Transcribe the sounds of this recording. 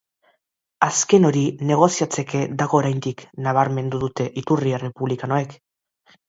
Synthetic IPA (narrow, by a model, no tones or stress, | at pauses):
aske̞no̞ɾine̞ɣ̞o̞siat͡se̞ke̞ðaɣ̞o̞ːɾajnd̪iknaβ̞aɾme̞nd̪uðut̪e̞ʔit̪uriere̞puβlikanoek